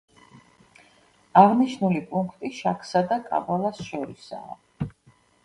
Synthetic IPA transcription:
aʁniʃnulipʼuŋkʰt̪ʼiʃakʰsad̪akʼa̰balˠasʃɔɾisa̰ː

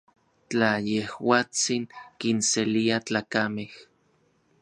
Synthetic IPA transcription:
t͡ɬajehwaːt͡siŋkinseliat͡ɬaːkameh

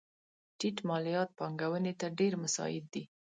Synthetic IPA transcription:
ʈiʈmɑlijɑt̪̚pɑŋɡawənet̪aɖeɾmasɑ̰jɪd̪̚ːi

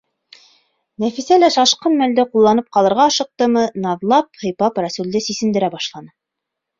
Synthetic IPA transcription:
næfisælæʃɑʃqɤnmæld̪ɘqulˠːɑnɤp̚qɑlˠɤ̆ɾʁɑɑʃɤ̆q̚t̪ɤmɤnɑðlˠɑp̚hɤ̆jpɑpræsuld̪ɘsisɘ̆nd̪ɘ̆ɾæbɑʃlˠɑnɤ

